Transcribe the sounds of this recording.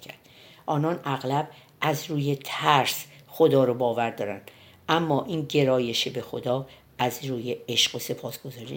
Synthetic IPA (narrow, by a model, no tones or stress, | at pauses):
kʰæ̰ɾd̪̥ | ʔɒːnɒːnæɣlæb | ʔæzɾuːjet̪ʰæɾsxo̞d̪ɒːɾobɒːvæɾd̪ɒːɾæ̰nd̪̥ | ʔæmːɒːʔiːnɟe̞ɾɒːje̞ʃebe̞xod̪ɒː | æzɾuːjeeʃɢ̥ose̞pʰɒːsɡ̥o̞zɒːɾḭ